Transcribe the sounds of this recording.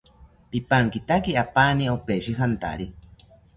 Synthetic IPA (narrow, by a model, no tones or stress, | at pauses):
pipaŋkit̪akiapaniopeʃiɦant̪a̰ɾi